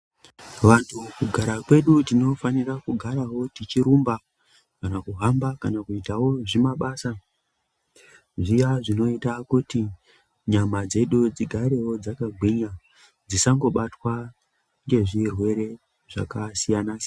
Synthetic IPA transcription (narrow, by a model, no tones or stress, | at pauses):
ʋantʰukuɡʱaɾakwe̞ɗutino̞fanirakuɡʱaɾawo̞tit͡ʃiɾumba | kanakuɦambakanakuitawo̞ʐimaɓasa | ʐijaʐino̞itakuti | ɲamad͡ze̞ɗud͡ziɡʱaɾe̞wo̞d͡zakaɡʱwiɲa | d͡zisaŋɡo̞ɓatwa | ŋɡe̞ʐirwe̞ɾe̞ | ʐ̥a̰kasijanas